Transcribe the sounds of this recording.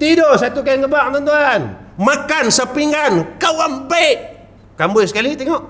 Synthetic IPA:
t̪idosat̪uk̬anɡəbak̚nant̪uanmakansapiŋɡankawambaiʔ | kambʊjsəkalit̪ɛŋɔʔ

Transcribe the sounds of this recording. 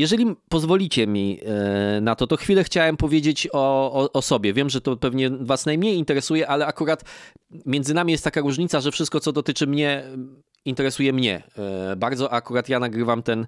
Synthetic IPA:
jɛʐɛlʲipɔzvɔlʲit͡ɕɛmʲi | nat̪ɔt̪ɔxfʲilɛxt͡ɕawɛmpɔvʲjed͡ʑet͡ɕɔːʔːsɔbʲɛvʲjɛmʐɛt̪ɔpɛvɲɛvasnajmɲejint̪ɛɾɛsujɛʔalɛakuɾat̪mʲjɛnd̪zɘnamʲijɛst̪t̪ːakaɾuʐɲit̪saʐɛfʂɘst̪kɔt̪ɔd̪ɔt̪ɘt͡ʂɘmɲɛ | int̪ɛɾɛsujɛmɲɛ̰baɾd̪zɔʔakuɾat̪janaɡɾɘvamt̪ɛn

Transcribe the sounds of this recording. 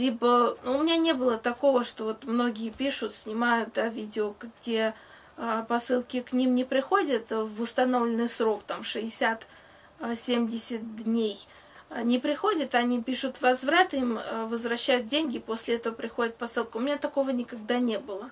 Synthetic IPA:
lʲibənuʊmʲɪnʲanʲe̞bɨlˠət̪ɐko̞vəʂt̪o̞vo̞t̪mno̞ɡʲɪjɪpʲiʂʊt̪sʲnʲɪmajʊt̪̚d̪avʲidʲɪoɡdʲe̞ | pɐsɨlˠkʲɪknʲimnʲɪpɾʲɪxo̞dʲət̪vʊst̪ɐno̞vlʲɪnːɨjsɾo̞kt̪amʂɨɪsʲat̪ | sʲemʲdʲɪsʲət̪̚d̪ʲnʲej | nʲɪpɾʲɪxo̞dʲɪt̪ɐnʲipʲiʂʊt̪vɐzvɾat̪imvəzvɾɐɕːæjʊt̪̚dʲenʲɡʲɪpo̞sʲlʲɪɛt̪əvəpɾʲɪxo̞dʲɪt̪̚pɐsɨlˠkʊmʲɪnʲat̪ɐko̞vənʲɪkɐɡ̚d̪anʲe̞bɨlˠə

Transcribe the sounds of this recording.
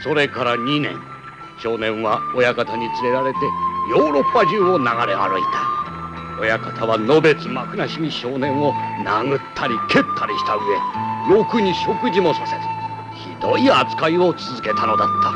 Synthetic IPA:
so̞ɾe̞kaɾaɲ̟inẽ̞̰ŋ̃ | ɕo̞ːnẽ̞ɰ̃βaojakat̪aɲ̟it͡sɨɾe̞ɾaɾe̞t̪e̞jo̞ːɾo̞pːaʑɨːo̞naɡaɾe̞a̰ɾɯ̟it̪ʰḁ | o̞jakḁt̪ʰaβano̞be̞t͡sɨmakɯ̟naɕiɲ̟iɕo̞ːnẽ̞ɰ̃o̞naŋɯ̟t̪ʰːaɾʲikʰe̞t̪ʰːaɾʲiɕi̥t̪aɯ̟e̞̰jo̞kɯ̟ɲ̟iɕo̞kɯ̟ʑimo̞saseɾɨ̥ | çḭd̪o̞iat͡sɨ̥kaio̞t͡sɨzɨke̞t̪ano̞d̪at̪ʰːḁ

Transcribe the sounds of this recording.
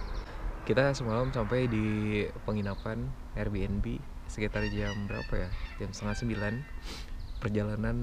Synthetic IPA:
kit̪asəmalamsampajdipəŋinapan | ɛrbiɛnbisəkit̪ard͡ʒambəɾa̰pajad͡ʒamst̪əŋat̪səmbilan | pərd͡ʒalanan

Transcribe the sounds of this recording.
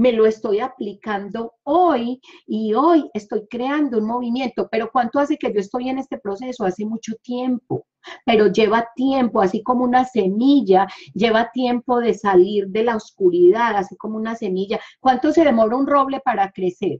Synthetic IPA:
me̞lo̞e̞st̪o̞japlikand̪o̞ojio̞je̞st̪o̞jkɾeand̪ounmo̞βimje̞nt̪o̞pe̞ɾo̞kwant̪oase̞ke̞d͡ʒo̞est̪o̞je̞ne̞st̪e̞pɾo̞se̞so̞ase̞mut͡ʃo̞t̪je̞mpo̞ | pe̞ɾo̞d͡ʒe̞βat̪je̞mpo̞asiko̞mounasemiʝad͡ʒe̞βat̪je̞mpo̞ð̞e̞saliɾd̪e̞laoskuɾiðaðasiko̞mounase̞miʝakwant̪o̞se̞ðe̞mo̞ɾaunro̞βle̞paɾakɾe̞se̞ɾ

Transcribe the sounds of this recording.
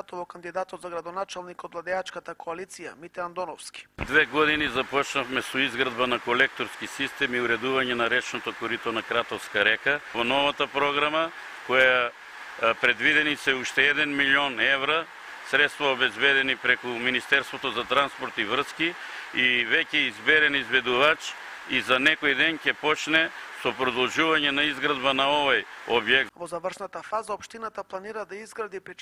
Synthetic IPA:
t̪ovokand̪id̪at̪ɔt̪zaɡɾad̪onat͡ʃalˠnikɔd̪vlˠad̪ɛat͡ʃkat̪akoalit̪sijamit̪ɛand̪ɔnɔfski̥d̪vɛɡɔd̪inizapɔt͡ʃnafmɛsoizɡɾad̪banakolɛk̚t̪oɾskisist̪ɛmiuɾɛd̪uvaɲɛnaɾɛt͡ʃnot̪okoɾit̪onakɾat̪ɔfskaɾɛkavonɔvat̪apɾɔɡɾama | kɔja | pɾɛd̪vid̪ɛnisɛuʃt̪ɛɛd̪ɛnmilionɛvɾa | sɾɛt̪st̪vaobɛzbɛd̪ɛnipɾɛkuminist̪ɛɾst̪vot̪ozat̪ɾanspoɾt̪ivr̩ski | ivɛcɛizbɛɾɛnizbɛd̪uvat͡ʃ | izanɛkojd̪ɛncɛpɔt͡ʃnɛsopɾod̪olˠʒuvaɲɛnaizɡɾad̪banaovajobjɛk̚tvozavər̩ʃnat̪afazaopʃt̪inat̪aplˠaniɾad̪aizɡɾad̪ipɛ

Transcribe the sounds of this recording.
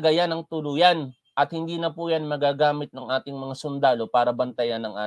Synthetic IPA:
ɡɐjanɐŋt̪ʊlujan | ʔɐt̪hɪnd̪iːnɐpujanmɐɡaːɡaːmɪt̪̚nɐŋʔaːt̪ɪŋmɐŋasʊnd̪aːlo̞paːɾɐbɐnt̪ɐjanːɐŋʔa̰ː

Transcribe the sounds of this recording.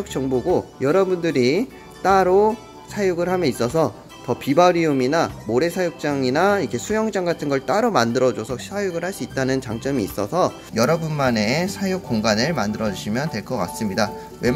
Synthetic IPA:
uk̚t͡ɕ͈ʌŋboɡojʌɾʌbundɯɾi | t͈aɾo | sʰajuɡɯɭhamjʌnis͈ʌsʰʌ | tʌpibaɾiuminamoɾe̞sʰajuk̚t͡ɕ͈aŋinaikʰesʰujʌŋd͡ʑaŋɡatʰɯnɡʌɭt͈aɾomandɯɾʌd͡ʑosʰʌɕsʰajuɡɯɭhaɭs͈uit̚t͈anɯnt͡ɕaŋt͡ɕ͈ʌmiːs͈ʌsʰʌ | jʌɾʌbunmanesʰajuk͈̚oŋɡanɯɭmandɯɾʌd͡ʑuɕʰimjʌntwe̞ɭk͈ʌk͈a̰s͈ɯmɲida | we

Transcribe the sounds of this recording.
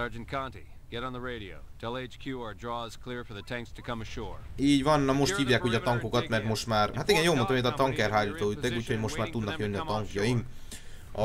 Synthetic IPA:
sɑɹd͡ʒɨ̃n̩kʰɑ̃ntḭ | ɡ̥ɛɾn̩ðəɹeɪɾioʊtʰɛlˠeɪt͡ʃkʰj̥ʉəɹdɹɔz̥kʰl̥ɪɹfə˞ðɨtʰæ̃ŋkstʰɨkʰʌ̃mɨʃɔɹiːɟʋɒnːɒmo̞ʃt̪hiːvjaːkuːɟɒt̪ɒŋkokɒt̪mɛrt̪mo̞ʃt̪maːrɦat̪iɡɛnjoːlmonɒmet̪ɒt̪ɒŋkɛrɦaːliːt̪oːyt̪ːɛkuːcho̞ɟmo̞ʃt̪maːrt̪ud̪nɒjønːiɒt̪ɒŋkjɒjiŋk | ɒ

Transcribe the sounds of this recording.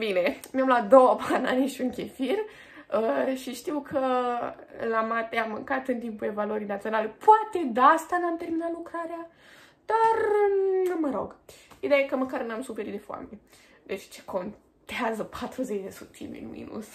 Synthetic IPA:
bine̞meamlad̪o̞wəbana̰niʃuŋkʲefirʲ | əʃiʃt̪iwkʰə | lamat̪eamːɨ̰ŋkat̪ɨnt̪impule̞valuəɾijnat̪sionale̞poat̪e̞d̪ast̪anamt̪e̞rminat̪lukɾaɾea | d̪̥arnuməɾo̞̰ɡid̪eajekəməkarnamsufeɾit̪d̪efa̰men | d̪e̞t͡ʃt͡ʃe̥kʰo̞n | t̪eazəpʰat̪ɾuzet͡ʃd̪e̞sut̪ʰḭmḭnmḭnṵs

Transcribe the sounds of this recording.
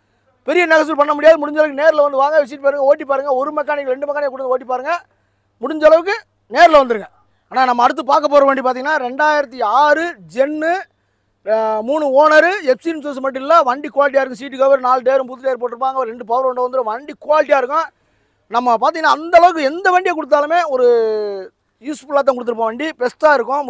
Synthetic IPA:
pɛɾɪjɐnɛɣɐs̬ɪlpɐɳːɐmʊɽɪjaːðɯmʊɽɪɲd͡ʒɐɭɐʋɯkːɯneːɾɪlɐʋɐnd̪ɯʋaːŋɡɐʋɛt͡ʃːɪʈːɯpaːɾɯŋɡɐoːʈːip̬ːaːɾɯŋɡɐɔɾɯmɐkːaːnɪkːɐɾɛɳɖɯmɐkanɪkɐkʊɽːɐnɐoːʈ̬ːipːaːɾɯŋɡɐ | mʊɽɪɲd͡ʒɐɭɐʋɯk̬ːɯ | neːɾlɐʋɐnd̪ɯɾɯŋɡɐ | aːnaːnɐmːɐːɽɯt̪ːɯpaːɾkɐpːoːɾɐʋeːɳɖip̬aːɾt̪iŋɡɐnːaːɾɛɳɖaːjɪɾɐt̪ːiaːɾɯd͡ʒɛnːɯ | muːɳɯoːnɐɾɯɛpsiɾmseːs̬ɐmɐʈ̬ːɪlːãːʋɐɳɖikːʊʋaːlɪʈ̬ːiaːɪɾɯkːʊ̃siːʈ̬ːɯkɐʋɐɾnaːlɖeːɾɯmp̬ut̪ːɪʈeːɾpoːʈːɪɯɾɯp̬ːaːŋɡɐɾɛɳɖɯpɐːʋɾɔɳɖɐʋɐnd̪ɯɾɯ̃ʋɐɳɖikʊʋaːlɪʈ̬ːijaːɪɾɯkːʊ̃ | nɐmːɐpaːɾt̪iŋɡɐnːaːnd̪ɐɐɭɐʋɯkːɯɛnd̪ɐʋɐɳɖɪjaːkʊɽɯt̪̬ːaːlɯmeːɔɾɯ | jiːspʊlaːt̪ːãkʊɽɯt̪ːɯɾɯp̬ːãːɐʋɐːɳɖipɛsʈaːɪɾɯkːʊ̃

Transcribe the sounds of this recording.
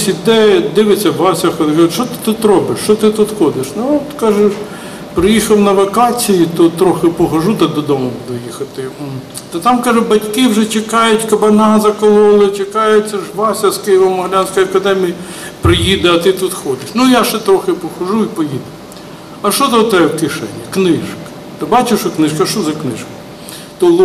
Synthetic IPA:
sʲid̪ɛɛd̪ɪʋet͡sʲːɐbɑsʲɐxɔd̪ɪkɐʃɔt̪ɪ̥t̪ut̪ɾɔbɪʃt͡ʃɔt̪ɪt̪ut̪xɔd̪ɪʃnuɔt̪kɑʒeʃ | pɾɪjixɐwnɐʋɐkɑt͡sʲijit̪ɔt̪ɾɔxɪpɔɦɐʒut̪ɐd̪ɔd̪ɔmʊbud̪ʊjixɐt̪ɪ | t̪ɐt̪ɑmkɑʒʊbɐtʲkɪwʒɛt͡ʃɪkɑjʊtʲkɐbɐnɑzɐkɔlˠɔlˠɪt͡ʃɪkɑjʊtʲt͡sʲɐʒbɑsʲɐskɪjɪʋɐmɔɦlʲanʲsʲkɔjɐkɐd̪ɛmʲiji | pɾɪjid̪ɛɐt̪ɪt̪ut̪xɔd̪ɪʃnujaʃɛt̪ɾɔxɪpɔhɐʒuipɔjid̪ʊ | ɐʃɔzɐɔt̪ɛɛwkɪʃɛ̰nʲːiknɪʃkɐ̥ | t̪ɐbɑt͡ʃɪʃɐknɪʃkɐʃt͡ʃɔzɐknɪ̰ʃkɐ | t̪ɔlˠ

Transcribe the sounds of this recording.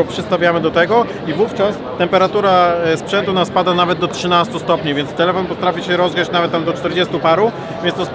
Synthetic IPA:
ɔpʂɨst̪avʲjamɘd̪ɔt̪ɛɡɔ | ivuft͡ʂas | t̪ɛmpɛɾat̪uɾaspʂɛnt̪unaspad̪anavɛt̪̚d̪ɔtʂɘnast̪ust̪ɔpɲivʲjɛnt̪st̪ɛlɛfɔnpɔt̪ɾafʲiɕɛɾɔzɡɛt͡ɕnavɛt̪̚t̪ːamd̪ɔt͡ʂt̪ɛɾd͡ʑɛst̪upaɾu | vʲjɛnst̪ɔs

